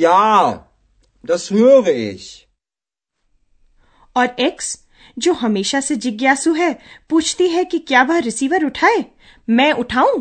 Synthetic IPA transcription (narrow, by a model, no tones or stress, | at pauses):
jaː | d̪ɐsɦujoɡeḛːʃ | ɔːɾeks | d͡ʒoːɦɐmeːʃased͡ʒɪɡjaːsuɦɛpuːt͡ʃʰt̪iɦɛkikjaːʋɐɦɾɪsiːʋəɾʊʈʰaːeː | mɛ̃ːʔʊʈʰaːũː